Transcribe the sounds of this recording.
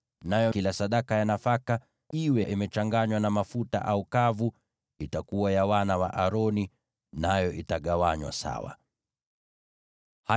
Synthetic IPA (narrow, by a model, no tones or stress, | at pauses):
najɔkilasaɗakajanafaka | iwɛʔimɛt͡ʃaŋɡaɲwanamafuta̰ʔaukavu | itakuwajawanawaʔaɾɔni | najɔʔitaɠawaɲwa̰sa̰wa̰ | ha